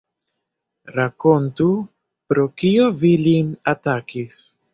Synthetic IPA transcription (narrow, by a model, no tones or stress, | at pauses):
ɾako̞ntu | pɾo̞kio̞vilinatakis